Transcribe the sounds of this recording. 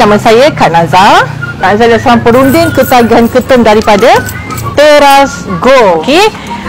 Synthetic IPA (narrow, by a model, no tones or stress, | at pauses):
naməsajəkaʔ̚nãzarkaʔnazadasaaŋpəɾundɪŋkət̪aɡankət̪ʊmdaɾipadə | t̪eɾasɡooke